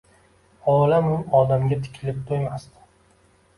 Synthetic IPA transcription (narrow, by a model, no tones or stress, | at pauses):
ɒlamʊɒd̪amɡʲat̪ʰɪ̥kʲʰɪlɪp̚t̪ʰojmast̪ɪ̥